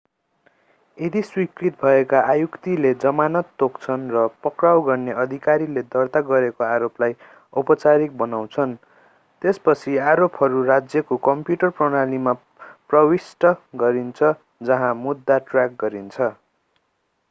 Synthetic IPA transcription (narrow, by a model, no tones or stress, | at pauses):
ed̪ʱiswikrit̪̚bʱʌekaʔajukt̪iled͡zʌmanʌt̪ːokt͡sʰʌnrʌpʌkrawɡʌrneʌd̪ʱikaɾiled̪ʌrt̪aɡʌɾekoaɾoplaj | upʌt͡saɾik̚bʌnaw̃t͡sʰʌn | t̪espʌt͡sʰiaɾopɦʌɾurad͡zjʌkokʌmpjuʈʌrprʌɽ̃alima | prʌwisʈʌɡʌɾint͡sʰʌ | d͡zʌɦãmud̪ːaʈrjak̚ɡʌɾint͡sʰʌ